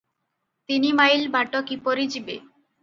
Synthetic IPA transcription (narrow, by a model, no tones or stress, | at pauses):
t̪inimajlbʱaʈokipoɾid͡ʑibe